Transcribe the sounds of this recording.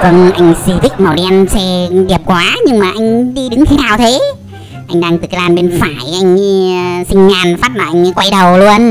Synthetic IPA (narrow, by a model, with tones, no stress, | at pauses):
kɔ˨˧˩nʔa˧jŋ̟si˧vï˦˥k̟̚mə˨˩wɗɛ˧nsɛ˧ɗi˨˩əp̚kwaː˨˦ɲɨ˧ŋmaː˨˩ʔa˧jŋ̟ɗi˧ɗɨ˨˦ŋt̪ʰe˨˦naː˨˩wt̪ʰe˨˦ | ʔa˧jŋ̟ɗaː˧ŋt̪ɨ˨˩klaː˧nɓe˧nfaː˧˩jʔa˧jŋ̟sï˧ŋ̟ɲaː˨˩nfaː˦˥t̚laː˨˩ʔa˧ŋ̟˧kwa˧jɗə˨˩wlu˧ən